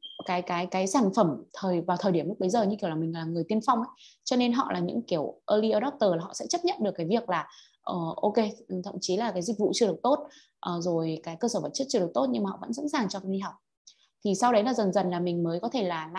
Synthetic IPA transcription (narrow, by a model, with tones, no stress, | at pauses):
kaː˨˦jkaː˨˦jkaː˨˦jsaː˧˩nfə˧˩mt̪ʰəː˨˩jvaː˨˩wt̪ʰəː˨˩jɗi˧˩əm̚˦˥ɓə˨˦jzəː˨˩ɲɨ˧ki˧˩wlaː˨˩mï˨˩ŋ̟˨aː˨˩ŋɨ˨˩əjt̪ənfa˧wŋ͡mʔə˨˦jt͡ɕɔ˧ne˧nɦɔ̰˧˨lʔaː˨˩ɲɨ̰˧˥ŋki˧˩əwʔəː˧li˧ʔəː˧ɗɔ˦˥p̚t̪əː˨˩laː˨˩ɦɔ̰˧˨sɛ̰˧˥t͡ɕə˦˥t̚ɲə̰˧˨nɗɨ˨˩əkːjvi˨˩ək̚laː˨˩ | ʔəː˨˩ʔo˧ke˧˨˩t̪ʰə̰˧˨mŋ͡mt͡ɕi˨˦laː˨˩kaː˨˦jzï˨˩k̟̚vṵ˧˨t͡ɕɨ˧ɾɨ˨˩ək̚t̪o˦˥t̚ | ʔəː˨˩zo˨˩jkaː˨˦jkəː˧səː˧˩və˨˩t̚t͡ɕə˦˥t̚t͡ɕɨ˧ɗək̚t̪o˦˥t̚ɲɨ˧ŋma˨˩hɔ̰˧˨və̰˧˥nsa̰˧˥nsaː˨˩ŋt͡ɕɔ˧kːi˧ɦa˨˩wk͡p̚ | t̪ʰi˨˩sa˧wɗə˨˦jlaː˨˩zə˨˩nzə˨˩nlaː˨˩mï˨˩ŋ̟məː˨˦jkɔ˨˦t̪ʰe˧˩laː˨˩la˧˨